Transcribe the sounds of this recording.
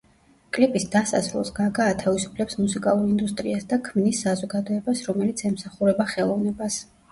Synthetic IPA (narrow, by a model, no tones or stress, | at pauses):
kʼlipʼisd̪asa̰sɾɛ̰lˠsɡaɡaːt̪ʰavisu̥pʰlɛpsmusikʼa̰lˠuɾind̪ust̪ʼɾiasd̪akʰmnisːazɔɡad̪ɔɛbasɾɔmɛlit̪sʰɛmsaχuɾɛbaχɛlˠɔvnɛbas